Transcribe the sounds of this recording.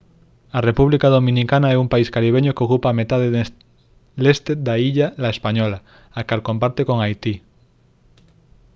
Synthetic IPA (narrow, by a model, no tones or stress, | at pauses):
arepuβlikaðomĩnikanaɛumpaiskaɾiβ̞eɲokeokupaːmet̪aðe | lest̪ed̪aiʎalaespaɲɔla | akalkompaɾt̪ekoŋajt̪i